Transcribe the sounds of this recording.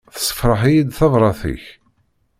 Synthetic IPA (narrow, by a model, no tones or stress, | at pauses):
θə̥sːə̥fɾˤəħijid̪θɑðˤɾˤɑθḭç